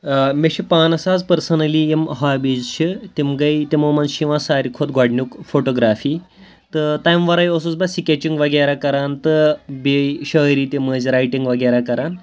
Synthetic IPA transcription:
meɕipaːnɐsaːd͡zpəɾsɐnɐlijemɦabid͡zt͡ʃʰit̪imɡajt̪ʲemomanɕiʋãsaːɾikʰot̪ɡaɽnʲukfoʈoɡɾaːfiː | t̪ɨt̪ajmʋɐɾajosut͡sbasikʲet͡ɕiŋɡʋɐɡeɾakɐɾaːnt̪ɨbeɕəɾit̪eməzɾajʈiŋɡʋɐɡeɾakɐɾan

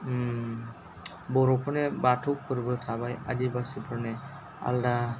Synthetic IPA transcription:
bɔɾɔpʰɯnebatʰupʰɯɾbɯtʰabajadibasipʰɯɾnɛ | a̰lda

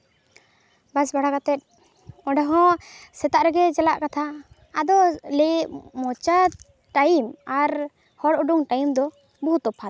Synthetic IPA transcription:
basbaɽakat̪ɛt̪̚ | ɔɖaɦɔ̃sɛt̪aʔɾɛɡɛd͡ʒalaʔkat̪ʰa | ad̪ɔlɛʔmɔt͡ʃa | ʈajimaɾ | hɔɽuɖuŋʈajimd̪ɔ | buut̪ɔpʰat̪̚

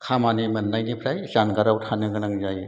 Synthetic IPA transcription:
kʰamanimɯnːajnipʰɾajzanɡaɾawtʰanɯɡɯnaŋzaj

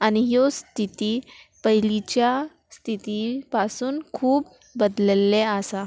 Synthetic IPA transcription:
añiɦjost̪ʰit̪iː | pəɦilit͡ɕja | st̪ʰit̪ipasuːnkʰuːb̚ː | əd̪ləlːeasa

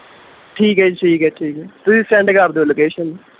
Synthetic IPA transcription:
ʈʰiːkaid͡ʒʈʰiːkɦɛːʈʰiːkɦɛːt̪ʊsisɛ̃ɳɖkaɾd̪õloːkeːʃən

